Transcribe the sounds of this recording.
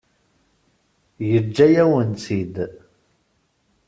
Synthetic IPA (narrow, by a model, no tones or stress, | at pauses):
jəd͡ʒːæjæwənsid̪